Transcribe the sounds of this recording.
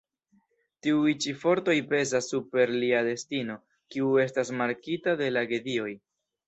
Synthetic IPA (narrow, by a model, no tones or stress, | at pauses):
tiujt͡ʃifo̞ɾto̞jpe̞zasːupe̞ɾliade̞stino̞ | kiue̞stasmaɾkitade̞laɡe̞dio̞j